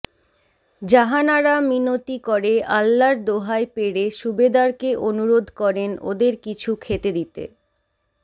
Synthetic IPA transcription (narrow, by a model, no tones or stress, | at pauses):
d͡ʑaɦanaɾaminot̪ikoɾeʔalːaɾd̪oɦaepeɽeʃubed̪aɾkeʔonuɾod̪ʱkɔɾeno̰d̪eɾkit͡ɕʰukʰet̪ed̪it̪ḛ